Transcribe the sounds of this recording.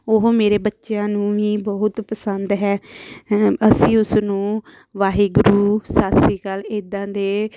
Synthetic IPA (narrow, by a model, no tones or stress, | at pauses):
oɦmeːɾeːbətːʃejãːnũːʋiːbɔːʊt̪pəsənd̪ɦɛː | əsĩːʊsnũː | ʋaːɦiːɡʊɾuːsaːsiːkəleːd̪ãːd̪eː